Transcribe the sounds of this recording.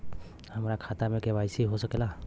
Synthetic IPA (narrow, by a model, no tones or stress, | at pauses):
həmɾakʰat̪amekɛbajsiɦosəkɛla